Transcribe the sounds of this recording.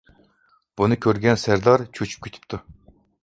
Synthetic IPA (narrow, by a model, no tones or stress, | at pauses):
b̥unɨkʲʰøɾɡʲɛnsæɾd̪ɑɾt͡ʃʰut͡ʃʰy̥p̚kʲʰet̪ʰy̥p̚t̪ʰu